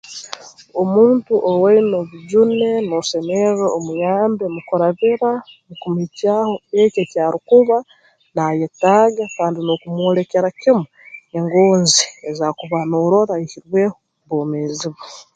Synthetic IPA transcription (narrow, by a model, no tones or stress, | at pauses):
omuːntuʔoweinoβuɟunenoseneɾoomujaːmbemukuɾaβiɾanokumicaːho̞ececaːɾikuβa | najetaːɡakaːndinokumwole̞ke̞ɾakimue̞ŋɡoːnziezakuβanoːɾo̞ɾaihiɾweːho | βoːmeːziβo